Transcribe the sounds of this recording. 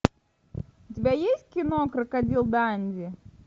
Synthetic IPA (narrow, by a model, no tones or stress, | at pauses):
ʊtʲɪbʲajesʲtʲkʲɪnokɾɨkɐdʲilˠd̪anʲdʲɪ